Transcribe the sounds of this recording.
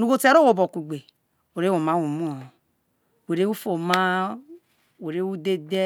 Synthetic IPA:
nu˨ɡo˦te˦ɾo˦wo˨bo˨kʷu˨ɡ͡be˨ | o˨ɾe˦wo˨ma˦wo˨mu˦o˨ | we˨ɾe˦wu˦fo˨ma˦ | we˨ɾe˦wu˦de˦de˦

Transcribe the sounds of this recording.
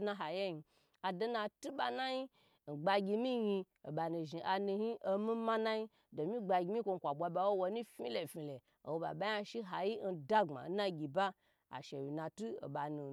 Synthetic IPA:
na˧ɦa˨je˦i˧ | a˨do˦na˧tu˦ɓa˧na˦ji˦ | n̩˨ɡ͡ba˧ɡʲi˧mi˦ji˧ | o̰˨ɓa˨nu˨ʒi˨ʔa˧nu˧hi˦ʔo˧mi˦ma˦na˦ji˦ | do˨mi˦ɡ͡ba˧ɡʲi˧mi˦kʷo˧ŋ̩˨kʷa˨bʷa˧ba˨wo˦wo˧˦ni˦fi˦le˨fi˨le˨ | o˨wo˨ɓa̰˨ɓa˦a˧ʃi˦ɦa˨ji˦n̩˨da˦ŋ͡ma̰˨˦na˦ɡʲi˨ba˦ | a̰˨ʃe˨wi˨na˨tu˦o̰˨ɓa˨nu˨

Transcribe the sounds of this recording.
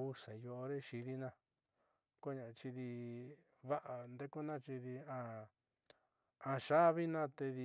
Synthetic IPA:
u˧sa˨jo˧o˧ɾe˦ʃi˧ði˦nã˧ | ko˦ɲã˨˧t͡ʃi˧ði˧ | βa˦ʔa˨nd̪e˦ku˦nã˦t͡ʃi˧ði˧ã˧ | ã˧ʃa˦βi˦nã˦t̪e˧ði˧

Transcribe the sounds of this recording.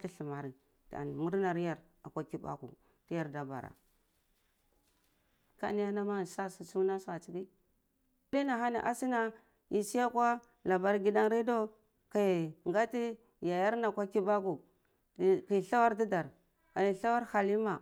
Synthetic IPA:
ti˦ɬi˨ma˨ɾi˨ | ta̰˨n˨mu˦ɾna˨ɾja˦˨ɾ | a˨kʷa˦ki˦ba̰˦kṵ˨ | ti˦ja˦ɾda˨ba̰˨ɾa̰˨ | ka̰˦ni˦ja˦na˦ma˦˨sa˦su˨su˦na˦sa˨t͡ʃi˨ɡi˦ | li˦na˨ɦa˦ni˨ʔa˦si˦na˦ | ji˨si˦ja˦kʷa˦ | la˨ba˦ɾɡi˦da˦ŋɾi˦do˦ | ka˨ŋɡa˦ti˦ | ja˨ja˦ɾna˨kʷa˦ki˦ba˦ku˨ | ki˨ɬa˦wa˦ɾdi˦da˨ɾ | a˨ni˨ɬa˦wa˦ɾha˨li˦ma˨

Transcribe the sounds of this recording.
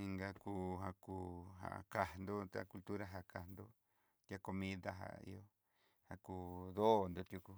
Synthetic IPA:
i˧ŋɡa˧ku˧ɦa˧kuː˧ɦa̰˨ka˨hnd̪o˦t̪a̰˧ku˧lt̪u˦ɾa˧ɦa˨ka˨nd̪o˦ | t̪ja˦ko˧mĩ˦ða˧ɦa̰˨ḭ˧o˧ | ha˧kuː˧ðo˦˨nd̪o˧t̪ju˧ku˧

